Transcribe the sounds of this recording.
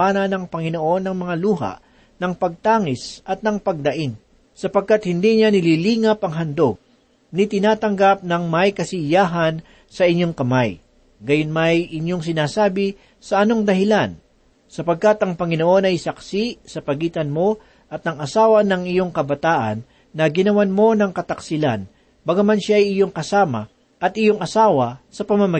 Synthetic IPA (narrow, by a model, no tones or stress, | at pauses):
anɐnɐŋpɐŋɪno̞ʔo̞nːɐŋmɐŋaluːɦɐ̰ʔ | nɐŋpɐɡ̚t̪aːŋɪsɐt̪̚nɐŋpɐɡ̚d̪ɐʔin | sɐpɐɡ̚kat̪̚hɪnd̪iɲanɪliliːŋɐpɐŋɦɐnd̪oɡ̚ | nɪt̪ɪnaːt̪ɐŋɡap̚nɐŋmɐjkɐsɪjaːɦɐn | sɐʔɪɲːo̞ŋkɐmaj | ɡɐjonmɐjʔɪɲo̞ŋs̬ɪnaːsaːbɪ | sɐʔɐno̞ŋd̪ɐɦɪlan | sɐpɐɡ̚kat̪ɐŋpɐŋɪno̞ʔo̞nɐjsɐksisɐpɐɡiːt̪ɐnmo̞ | ʔɐt̪̚nɐŋɐsaːwɐnɐŋɪjo̞ŋkɐbɐt̪aːʔɐ̰nː | ɐɡɪnɐwanmo̞nɐŋkɐt̪ɐksɪla̰n | bɐɡamanʃaʔːjʔɪjo̞ŋkɐsaːmɐ̰ | ʔɐt̪ʔɪjo̞ŋʔɐsaːwɐsɐpɐmɐmɐ